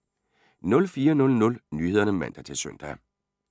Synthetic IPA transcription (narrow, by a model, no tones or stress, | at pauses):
nɔ̽lfiːɐnɔ̽lnɔ̽lnyːheðˠɐnəmæn̰d̥ɐt͡sʰe̝søn̰d̥æ